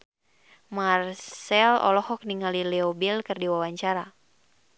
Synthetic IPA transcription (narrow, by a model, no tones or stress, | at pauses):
marsɛlɔ̰lɔhɔk̚niŋalilɛɔbilkɨrdiwawaɲt͡ʃaɾa